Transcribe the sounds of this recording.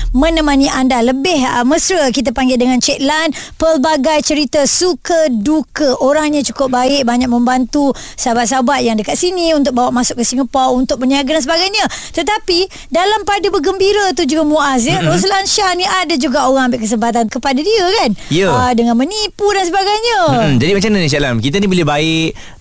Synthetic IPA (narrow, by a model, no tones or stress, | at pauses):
mə̃nəmaɲiʔandaləbɪhəməsɾəkit̪̬apaŋɡɪldəŋant͡ʃɛt̪̚lanpəlbaɡajt͡ʃəɾit̪asukədukəʔoɾaŋɲat͡ʃu̥kʊp̚baɪʔ̚baɲak̚mə̃mbant̪usabat̪̚s̬abat̪jaŋdəkat̪̚siniunt̪̬ʊk̚bawaʔmasʊkːəsiŋəpaunt̪ʊk̚pəniaɡadans̬əbaɡajɲat̪ət̪api | dalampadabəɡəmbiɾat̪̬ud͡ʒuɡamuʔas̬jəɾos̬əlanʃahniʔadad͡ʒuɡaoɾãŋambɪʔkəs̬əmpat̪̬ankəpadadiəkanjədəŋanmənipudansəbaɡajɲəd͡ʒadimat͡ʃamniət͡ʃɛlankit̪anibəlebaɪʔ